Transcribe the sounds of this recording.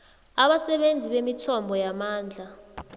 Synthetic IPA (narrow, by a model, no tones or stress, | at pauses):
aɓasɛɓend͡zʱiɓemitʰɔmbʱɔjamaːnd͡ɮʱa